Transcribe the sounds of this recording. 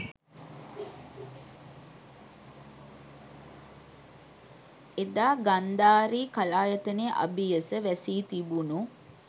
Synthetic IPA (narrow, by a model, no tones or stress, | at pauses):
ed̪aːɡand̪aːɾiːkalaːjət̪əneʔa̰bijəsəʋæsiːt̪ibunu